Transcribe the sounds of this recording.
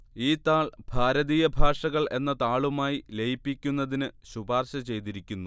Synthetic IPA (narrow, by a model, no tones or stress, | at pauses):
iːt̪aːɭbʱaːɾɐðiːjɐbʱaːʂɐɣɐɭe̞nːɐt̪aːɭumaːjilejipːikʲːunːɐðinɨɕubʱaːrɕɐt͡ɕe̞jt̪iɾikʲːunːu